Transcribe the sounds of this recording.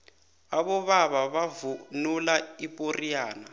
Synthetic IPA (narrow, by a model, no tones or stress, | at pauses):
aβɔβaβaβavunulaipʼoriaːna